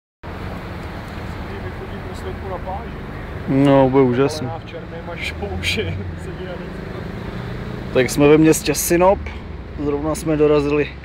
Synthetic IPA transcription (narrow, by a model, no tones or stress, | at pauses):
ast̪ivɪxoɟiuslɛt̪kunapaːʒɛ | nobujɛuːʒasniaft͡ʃɛɾvɛmaʃpowʃɪsɛɲinavis | t̪aksmɛvɛmɲɛscɛsɪnop | zɾovnasmɛdoɾazɪlɪ